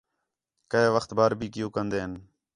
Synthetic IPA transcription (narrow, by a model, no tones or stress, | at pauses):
kəeːʋəxt̪baːɾbʱiːkɪjũːkənd̪eːɦən